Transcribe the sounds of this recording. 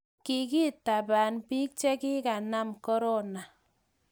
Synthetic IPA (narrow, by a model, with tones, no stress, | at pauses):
ki˨ki˦ta˨ba˨npi˦k̚t͡ʃe˦kɪ˦ka˨na˦mkɔ˦ɾo˦na˨